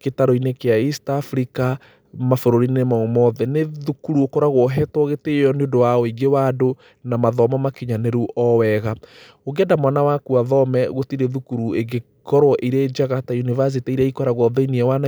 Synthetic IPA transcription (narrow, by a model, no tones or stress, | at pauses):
ketaɾɔinekeaistafɾika | mafoɾoɾinemaomɔðɛneðukuɾuokɔɾaɣwɔɦɛtwɔɣeteɔneondowaɔiɡewado | namaðɔmɔmakiɲaneɾuʔɔwɛɣa | oɣɛndamwanawakuaðɔmɛɣotiɾeðukuɾueɡe | kɔɾwɔʔiɾed͡ʒaɣatajunivas̬itaiɾɛikɔɾaɣwɔðeiniɛwana